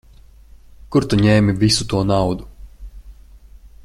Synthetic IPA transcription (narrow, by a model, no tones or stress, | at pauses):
kuɾt̪uɲɛːmivʲisut̪uɔnawd̪u